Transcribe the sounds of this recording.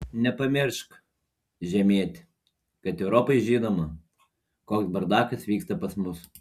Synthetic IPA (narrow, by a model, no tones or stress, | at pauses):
nʲɛpɐmʲɪɾʃk | ʒʲɛmʲiɛt̪ʲɪ | kɐt̪ɛʊɾoːpɐɪʒʲiːnoːmɐ | koːksbɐɾd̪ɑːkɐsʋʲiːkst̪ɐpɐsmʊs